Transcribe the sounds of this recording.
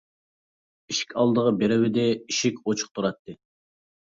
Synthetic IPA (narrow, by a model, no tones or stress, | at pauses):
iʃi̥kʲʰɑlˠd̪əʁəbeɾɪwɪd̪ɪiʃikʲot͡ʃʰʊ̥q̚t̪ʰuɾɑt̪ʰːɨ